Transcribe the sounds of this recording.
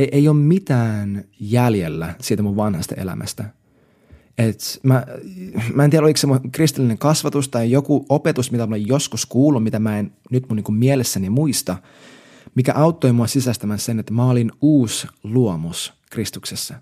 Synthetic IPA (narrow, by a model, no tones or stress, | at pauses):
eʔeijoːmmit̪æːnjæljelːæsiːt̪æmuʋʋɑnhɑst̪ɑ̰ʔḛlæ̰mʔæ̰st̪æ | et̪mæ | mæˑent̪ieɾoliksemːokrist̪ilːineŋkɑsʋɑt̪ust̪ɑjjokuʔopet̪usmit̪æmulejjoskuskuːlːummit̪æmæennyt̪muniŋkummielesːænimuist̪ɑ | mikæ̰ʔɑuwt̪ːoimuɑsisæst̪æmænsenet̪ːmæolinuːsluomus | krist̪uksesːɑ